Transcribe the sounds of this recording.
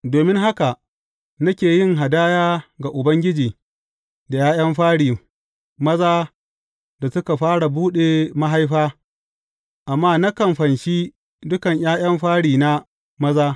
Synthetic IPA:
doː˨mɪ˦ŋɦa˦ka˨ | nɐ˦kʲeː˨jɪ˦ŋɦa˨daː˦jaː˦ɡa˨ʔʊ˨bɐ˦ŋɡʲɪ˦d͡ʒiː˨ | da˨jaː˦j̰ɐ˦mɸaː˦ɽiː˨ | mɐ˦zaː˦ | da˨sʊ˦ka˨ɸaː˦ɽa˨buː˦ɗeː˨ma˦ɦa˦jɸaː˦ | ʔa˨mːaː˦na˦kɐ˨mɸɐ˨nʃiː˦ | dʊ˦kɐ˨ɲjaː˦j̰ɐ˦mɸaː˦ɽiː˨na˦ | mɐ˦zaː˦

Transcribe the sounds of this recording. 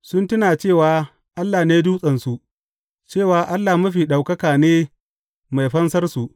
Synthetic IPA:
sʊ˦ntʊ˦naː˨t͡ʃeː˦˨waː˨˦ | ʔa˦lːaː˨neː˦duː˦sʼɐ˨nsu˦ʔ | t͡ʃeː˦˨waː˨ʔa˦lːaː˨mʊ˦ɸiː˨ɗa˨wkɐ˦kaː˨neː˦ | ma˨jɸɐ˦nsɐ˦rsu˨ʔ

